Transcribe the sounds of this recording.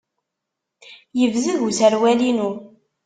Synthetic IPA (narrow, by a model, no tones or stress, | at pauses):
jəvzəɣusəɾwælinu